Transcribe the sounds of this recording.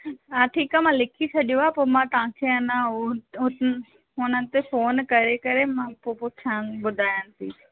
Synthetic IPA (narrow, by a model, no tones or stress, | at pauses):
aːʈʰiːkaːmãːlɪkʰit͡ɕʰɐɗijõaːpoːmãt̪ɐʋãkʰeɐnã | ɦʊnənɪ̆t̪efoːnkɐɾekɐɾemãpopʊʃʰãnbʊd̪ʱaːjənɪsḭː